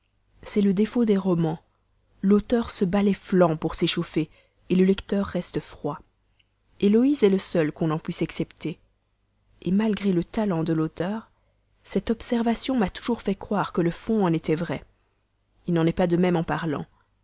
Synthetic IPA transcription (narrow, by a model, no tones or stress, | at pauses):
sɛləd̪efod̪eʁɔmɑ̃ | lot̪œʁsəbalɛflɑ̃puʁseʃofe | eləlɛkt̪œʁːɛst̪əfχwa | elɔizɛləsœlkɔ̃nɑ̃pɥisaksɛpt̪e | emalɡʁelət̪alɑ̃d̪əlot̪œːʁ | sɛt̪ɔpsɛʁvasjɔ̃mat̪u̥ʒuʁfɛkχwaʁkələfɔ̃ɑ̃net̪ɛvʁɛ | ilnɑ̃nɛpad̪əmɛmɑ̃paʁlɑ̰̃